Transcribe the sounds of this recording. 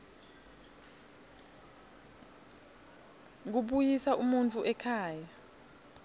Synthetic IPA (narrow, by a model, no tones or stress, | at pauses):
k̬uɓujisaʔumunt͡fʼuʔɛkʰaːja